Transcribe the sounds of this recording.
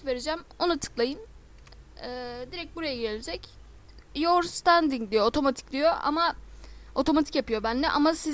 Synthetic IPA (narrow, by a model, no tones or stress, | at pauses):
ve̞ɾed͡ʒæmo̞nat̪ʰɯ̥klˠajɯn | ɛːd̪iɾɛc̚buɾajaɟelʲed͡ʒɛc | joɾst̪and̪iŋd̪ijo̞ot̪ʰo̞mat̪ʰi̥c̚d̪ijo̞ʔa̰ma | o̞t̪ʰo̞mat̪ʰi̥cjapɯjo̞bænlːɛʔa̰masi